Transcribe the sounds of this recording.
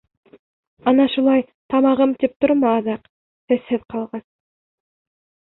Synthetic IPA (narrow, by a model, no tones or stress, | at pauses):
ɑnɑʃulˠɑj | t̪ʰɑmɑʁəmt̪ʰep̚t̪ʰʊɾmɑɑd̪ɑq | t̪eseðqʰɑlˠʁɑs